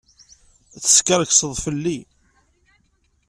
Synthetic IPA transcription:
θə̥skəɾˤəksəðˤfəlːi

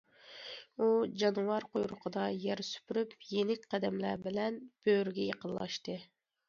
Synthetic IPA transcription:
ud͡ʒɑnwɑɾqojɾʊqʰəd̪ɑjɛɾsy̥pɾykʲjenɪkʲqʰæd̪ɛmlæɾbɪlɛnb̥øɾɡʲɛjeqʰənlˠlːˠɑ̰ʃt̪ɨ

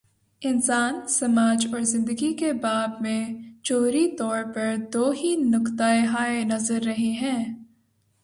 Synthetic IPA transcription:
ɪnsaːnsɐmaːd͡ʒɔːɾzɪ̃nd̪əɡikebaːbmẽt͡ʃoːɾit̪ɔːɾpɐɾd̪oːɦinʊkt̪aeɦaːenɐzəɾːɐɦeɦɛ̃ː

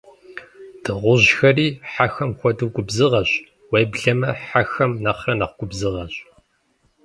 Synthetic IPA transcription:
d̥ɨʁʷʊʑxɐriːħaxɐmxʷɔdɨwɡʷʼʊbzɨʁɐɕ | wejbɮɐmɐħaxɐmnɐχrɐnɐχʷɡʷʼʊbzɨʁɐɕʼ

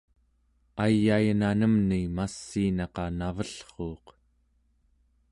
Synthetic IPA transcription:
ajːajnanəmnimasːiːnɑqɑnavəɬχoːq

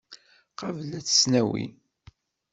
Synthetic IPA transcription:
qɑvlæt͡sːə̥snæwḭ

